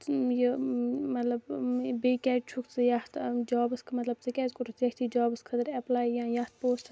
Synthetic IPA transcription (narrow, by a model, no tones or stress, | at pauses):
jəmɐt̪lɐbbeːkɛːʈt͡ʃʰukʰt͡sɨjɐht̪ʰd͡ʒaːbɨskʰmɐt̪lɐb̚t͡sɨkɛːzkuɾut͡sekʰʲt̪ʰiːd͡ʒaːbɨskʰɐd̪əɾɛplaːjjãːjɐht̪̚ʰpoːsʈ